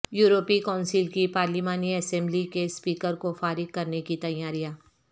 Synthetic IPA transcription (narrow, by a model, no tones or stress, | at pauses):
juːɾoːpikaːʊnsɪlkipaːɾlimaːniɐsɛ̃mblikespiːkəɾkofaːɾɪɡ̚kɐɾnekit̪ɐjaːɾijaː